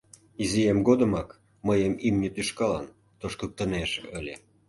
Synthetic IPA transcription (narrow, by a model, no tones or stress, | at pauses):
iziemɡod̪əmɑk | məjəmimnʲət̪yʃkɑlɑ̰n | t̪oʃkək̚t̪ə̆neʃə̰lʲe